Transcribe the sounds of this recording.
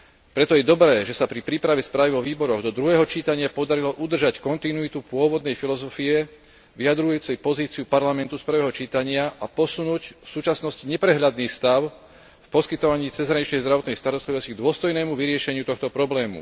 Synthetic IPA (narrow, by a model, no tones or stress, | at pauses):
pɾɛt̪ɔjɛd̪ɔbɾɛːʒɛsapɾipɾiːpɾaʋɛspɾaːʋiʋɔʋiːbɔɾɔɣd̪ɔd̪ɾuɦɛːɦɔt͡ʃiːt̪aɲɪapɔd̪aɾilɔʔud̪r̩ʒackɔnt̪inuit̪upʊɔʋɔd̪nɛjfilɔzɔfiɛ | ʋiad̪ɾujuːt͡sɛjpɔziːt͡siupaɾlamɛnt̪uspr̩ʋɛːɦɔt͡ʃiːt̪aɲɪaʔapɔsunuːcfsuːt͡ʃasnɔsciɲɛpɾɛɦʎad̪niːxst̪aʊ | fpɔskit̪ɔʋaɲiːt͡sɛzɦɾaɲit͡ʃnɛjzd̪ɾaʋɔt̪nɛjst̪aɾɔst̪liʋɔsciɡ̚d̪ʊɔst̪ɔjnɛːmuʋiɾɪɛʃɛɲɪut̪ɔxt̪ɔpɾɔblɛːmṵ